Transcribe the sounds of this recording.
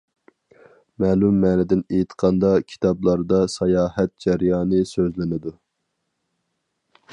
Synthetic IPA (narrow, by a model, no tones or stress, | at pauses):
mɛːlumːɛːnɛd̪ɪnejt̪ʰqʰɑnd̪ɑkʲʰi̥t̪ʰɑblˠɑɾd̪ɑsɑjɑːhɛt̪̚d͡ʒæɾjɑːnɨsøzlɪnɪd̪u